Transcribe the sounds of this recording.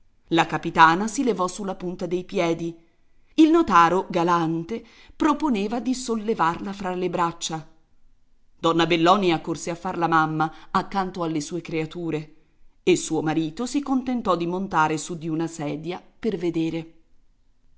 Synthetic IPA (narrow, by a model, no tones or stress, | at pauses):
lakapit̪aːnasilevɔsulːapunt̪ad̪ejpjɛːd̪i | ilnot̪aːɾoɡalant̪e | pɾoponeːvad̪isolːevarlafɾalːebɾat͡ʃːa | d̪̥ɔnːabelːɔːniakːorseafːarlamamːaːkːant̪oalːesuːekɾeat̪uːɾe | esuːomaɾiːt̪osikont̪ent̪ɔd̪ːimont̪aːɾesud̪ːiunasɛːd̪japerved̪eːɾe